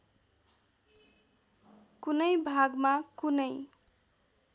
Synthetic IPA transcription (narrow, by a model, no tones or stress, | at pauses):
kunʌjbʱaɡmakunəj